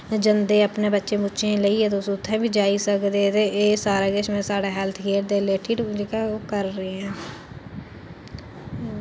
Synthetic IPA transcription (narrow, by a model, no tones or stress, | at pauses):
d͡ʒənd̪eːəpneːbətːʃẽːbʊːʃẽːləiːɛ̃ːt̪esʊt̪ʰːɛ̃ːʋiːd͡ʒaːiːsəkd̪eːt̪eːʔeːsaːɾaːɡeʃmẽːsaːɽaːɦɛlt̪ʰkeːɾd̪eːleːʈʰiːʈd͡ʒekaːkəɾːeːɛ̃ː